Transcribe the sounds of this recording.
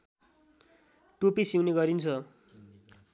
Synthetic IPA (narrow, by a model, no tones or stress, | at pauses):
ʈupisiwneɡʌɾint͡sʰʌ